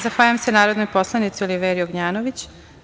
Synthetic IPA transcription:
zaxʋaːʎamsenaːɾod̪nojpo̞slˠanit̪sioliʋeɾijoɡɲaːnoʋit͡ɕ

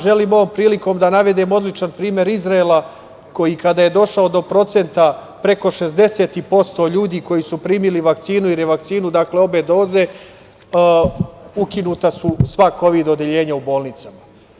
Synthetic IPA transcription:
ʒe̞liːmo̞ʋoːmpɾiːliko̞ːmd̪anaʋe̞d̪eːmo̞d̪lit͡ʃanpɾiːmje̞ɾizɾaelˠa | ko̞jikad̪aːje̞d̪o̞ʃaod̪opɾo̞t̪se̞nt̪a | pɾe̞ko̞ʃe̞zd̪e̞se̞ːt̪ipo̞st̪o̞ːʎuːd̪iːko̞jisupɾiːmiliʋakt̪siːnuiɾeʋakt̪siːnud̪akle̞o̞be̞d̪o̞ːze̞ | ukinuːt̪asusʋako̞ʋid̪o̞d̪eʎe̞ːɲaubo̞ːlˠnit̪sama

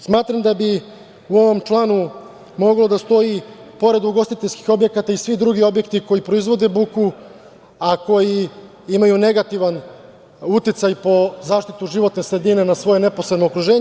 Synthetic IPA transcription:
smaːt̪ɾamd̪abi | uo̞ʋo̞mt͡ʂlˠaːnu | mo̞ɡlˠo̞d̪ast̪o̞i | po̞ɾe̞d̪uɡo̞st̪it̪eʎʲski̥xo̞bje̞kat̪aisʋid̪ɾuɡio̞bje̞kt̪iko̞jipɾo̞izʋo̞d̪e̞buku | ako̞ji | imajune̞ɡat̪iʋan | ut̪it̪sajpo̞zaːʃt̪it̪uʒiʋo̞t̪nesɾe̞d̪ine̞nasʋo̞jene̞po̞sɾed̪no̞ːkɾuʒe̞ːɲ

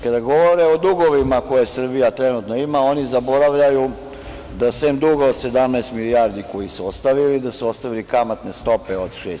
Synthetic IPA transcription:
kad̪aɡo̞ʋo̞ɾeod̪uɡo̞ʋimako̞jesr̩bijat̪ɾe̞nut̪noimaonizabo̞ɾaʋʎaju | d̪asemd̪uɡaod̪se̞d̪amnaest̪milijaɾd̪iko̞jisuost̪aʋilid̪asuost̪aʋilikamat̪ne̞st̪o̞peod̪ʃeːs

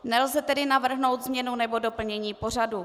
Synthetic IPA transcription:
nɛlzɛt̪ɛdɪnavr̩ɦno̞wt̪zmɲɛnunɛbo̞do̞pl̩ɲɛɲiːpo̞r̝adu

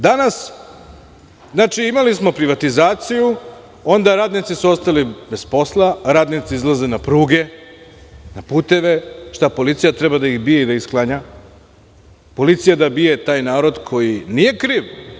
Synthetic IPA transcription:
d̪anas | znaːt͡ʃiimalismo̞pɾiʋat̪izaːt̪siju | o̞nd̪aɾaːd̪nit̪sisuo̞st̪alibe̞spo̞slˠaɾaːd̪nit̪siizlˠaze̞napɾuːɡe̞ | napuːt̪e̞ʋe̞ʃt̪apo̞lit̪sijat̪ɾebad̪aixbijeid̪aisklˠaɲa | po̞lit̪sijad̪abije̞t̪aːjnaːɾo̞d̪kʰo̞jinije̞kɾiːʋ

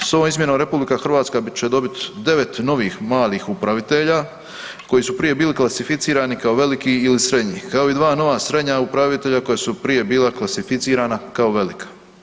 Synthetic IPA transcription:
soʋoːmizmjenomɾe̞publikaxr̩ʋaːt̪skabt͡ɕed̪o̞bit̪d̪e̞ʋe̞t̪no̞ʋiːxmaːliːxupɾaʋit̪eʎa | ko̞jisupɾije̞biːliklˠasifit̪siːɾaːnikao̞ʋe̞likiilisɾe̞d̪ɲiːkao̞id̪ʋaːno̞ʋaːsɾe̞d̪ɲaupɾaʋit̪eʎako̞jasupɾije̞biːlaklasifit̪siːɾaːnakao̞ʋe̞likʰḁ

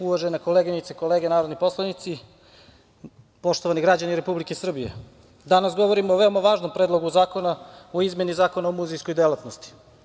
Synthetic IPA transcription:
uʋaʒenekoleɡinit̪seko̞leːɡenaːɾod̪nipo̞slˠanit̪si | po̞ʃt̪oʋaniɡɾad͡ʑaniɾe̞publikesr̩bijḛ | d̪anasɡo̞ʋo̞ɾimoːʋe̞omaʋaːʒno̞mpɾed̪lˠoɡuzaːko̞naoizme̞nizaːko̞naomuzejsko̞jd̪elat̪nost̪i̥

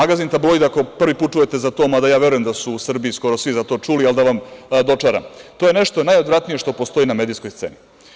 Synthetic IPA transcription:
aɡazint̪ablojd̪ako̞pr̩ʋiput̪̚t͡ʃuje̞t̪e̞zat̪omad̪ajaːʋje̞ɾujemd̪asuːsr̩biisko̞ɾosʋizat̪o̞ːt͡ʃuliald̪aʋamd̪o̞t͡ʃaɾa̰mt̪ojeneʃt̪onajod̪ɾat̪nije̞ʂt̪o̞po̞st̪o̞iname̞d̪iːskojst̪se̞̰ni

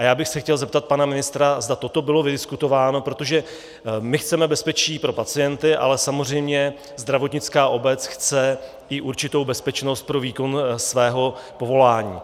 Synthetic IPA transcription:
ʔajaːbɪxsɛxcɛlzɛp̚t̪at̪̚panamɪnɪst̪ɾazd̪at̪o̞t̪o̞bɪlo̞vɪdɪskut̪o̞vaːno̞pɾo̞t̪o̞ʒɛ | mɪxt͡sɛmɛbɛspɛt͡ʃiːpɾo̞pat͡sɪjɛnt̪ɪʔa̰lɛsamo̞r̝ɛjmɲɛ | zd̪ɾavo̞t̪ɲɪt͡skaːʔo̞bɛt͡sxt͡sɛ | ɪʔuɾt͡ʃɪt̪o̞wbɛspɛt͡ʃno̞st̪̚pɾo̞viːko̞nsvɛːɦo̞po̞vo̞laːɲiː

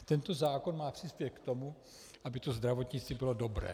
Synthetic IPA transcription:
t̪ɛnt̪o̞zaːko̞nmaːpr̥ispjɛkt̪o̞mu | ʔabɪt̪ozd̪ɾavo̞t̪ɲɪt͡st̪vibɪlo̞do̞bɾɛ̰ː

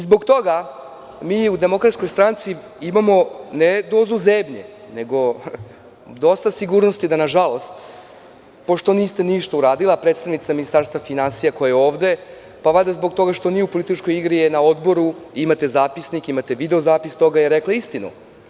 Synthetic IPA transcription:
izbo̞ɡt̪o̞ɡa | miːud̪e̞mo̞kɾat̪skojst̪ɾant̪si | imamo̞ned̪o̞ːzuzemɲḛ | neɡo̞ | d̪o̞st̪asiɡuːɾnost̪id̪anaʒalo̞st̪ | po̞ʃt̪oniːst̪eniʃt̪ouɾaːd̪ilˠapɾet̪st̪aʋnit̪saminist̪aɾst̪vafinansijakojajeo̞ːʋd̪e̞ | paʋad̪azbo̞ɡ̚t̪o̞ɡaʃt̪o̞nijeupolit̪it͡ʃko̞jiɡɾijenao̞d̪bo̞ɾuimat̪e̞zaːpisnikimat̪e̞ʋid̪eozaːpist̪o̞ɡajeɾeklaist̪inṵ

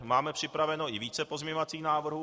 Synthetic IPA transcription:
maːmɛpr̝̥ɪpɾavɛno̞ʔɪviːt͡sɛpozmɛɲovat͡siːxnaːvr̩ɦuː

